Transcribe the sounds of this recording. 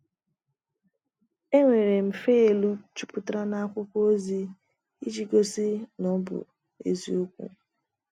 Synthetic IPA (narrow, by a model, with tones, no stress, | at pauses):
e˦ŋʷe˨ɾe˨m̩˨fe˦e˨lu˦t͡ʃu˦pʊ˦tɾa˦na˦kʷʊ˦kʷo˦zi˦ | i˦d͡ʒi˦ɡo˦si˦nɔ˦bʊ̰˨ | ḛ˨zi˦u˦kʷṵ˦